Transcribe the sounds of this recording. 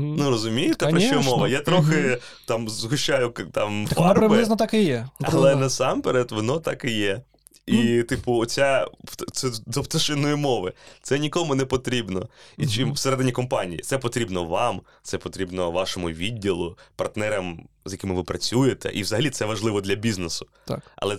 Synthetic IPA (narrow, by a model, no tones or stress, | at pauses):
nuɾɔzʊmʲijɪt̪ɛɾɐʃt͡ʃɔmɔʋɐjat̪ɾɔxɪ | t̪ɑmzɦʊʃt͡ʃajʊt̪ɑmfɑrpɾɪʋbɪɪznɐt̪ɑkɪjɛɐlˠɛnɐsɑmpɛɾɛt̪ʋɔnɔt̪ɑkɪjɛ | it̪ɪpʊt͡sʲasɛd̪ɔpt̪ɐʃɪnɔjimɔʋɪt̪sɛnʲikɔmʊnɛpɔt̪ɾʲibnɔ̰it͡ʃɪwseɾɛd̪enʲikɔmpɑnʲijḭt̪sɛpɔt̪ɾʲibnɔʋɑm | t̪ɛpɔt̪ɾʲibnɔʋɑʃɔmʊʋʲidʲːilˠʊpɐrt̪nɛɾɐm | zʲjɐkʲɪmɪʋɪpɾɐt͡sʲujet̪ɛ̰ʔiʋzɐɦɐlʲisɛʋɐʒlˠɪʋɔd̪lʲɐbʲiznesʊ̥ɐ̰lˠɛ